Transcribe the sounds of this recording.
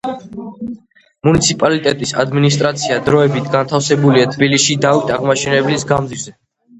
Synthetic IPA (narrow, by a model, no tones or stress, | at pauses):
munit̪sʰipʼalit̪ʼɛt̪ʼisa̰d̪minist̪ʼɾat̪sʰiad̪ɾɔɛbit̪ʰɡant̪ʰafsɛbuliat̪ʰbiliʃid̪avit̪ʼaʁmaʃɛnɛblisɡamd̪ziɾzɛ